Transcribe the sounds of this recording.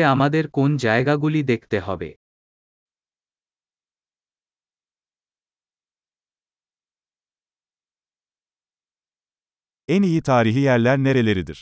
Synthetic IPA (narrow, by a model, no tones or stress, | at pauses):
ɛamad̪ɛɾkund͡ʒajɡaɡulʲid̪ɛkd̪ɛɦabɛ̰ | ænijit̪ʰaːɾiɦijæɾlʲæɾne̞ɾe̞lʲe̞ɾid̪iɾ̥